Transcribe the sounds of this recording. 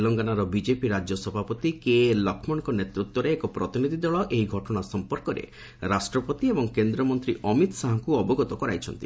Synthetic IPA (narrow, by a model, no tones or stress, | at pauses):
lɔŋɡanaɾɔbid͡ʒepiɾad͡ʒjɔsɔbʱapɔt̪ikelɔkʰmɔɳkɔnet̪ɾut̪wɔɾeːkɔpɾɔt̪inid̪ʱid̪ɔɭɔʔeɦiɡʱɔʈɔɽ̃asɔmpɔɾkɔɾḛ | ɾasʈɾɔpɔt̪iebɔŋkend̪ɾɔmɔnt̪ɾiʔɔmit̪saɦɔŋkuɔbɔɡɔt̪ɔkɔɾa̰jt͡ʃʰɔnt̪i